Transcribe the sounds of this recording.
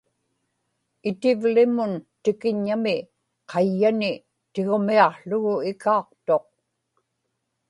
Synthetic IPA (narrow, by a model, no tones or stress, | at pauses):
ɪt̪ɪvlɪmʊnt̪ɪkɪɲːamɪ | qʰɑjːanɪ | t̪eɣomiɑqɬʊɣʊɪkɑːq̚t̪o̞q̚